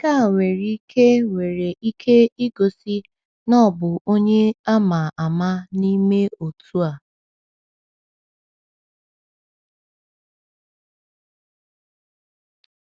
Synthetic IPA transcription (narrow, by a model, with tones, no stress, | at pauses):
ka˦˨ŋʷe˨ɾi˦kʰe˦wʷe˨ɾe˨ʔi˦kʰe˦i˦ɡo˨si˦ | nɔ˦˨bʊ˨ʔo˦ɲe˦a˦ma˨a˨ma˦ni˦me˦o˨tʰu˦a˨